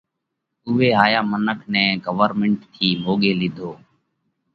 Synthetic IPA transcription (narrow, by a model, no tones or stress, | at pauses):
ʊʋeːɦaːjaːmənəkʰnɛ̃ːɡəʋəɾmɪɳʈt̪ʰiːmoːɠeːlɪd̪ʱoː